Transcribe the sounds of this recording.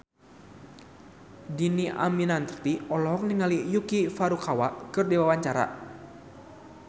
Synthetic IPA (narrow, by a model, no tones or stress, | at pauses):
diniʔa̰minant̪ərt̪iɔlɔɦɔk̚niŋalijukifaɾukawaʔkɨrdiwawaɲt͡ʃaɾa̰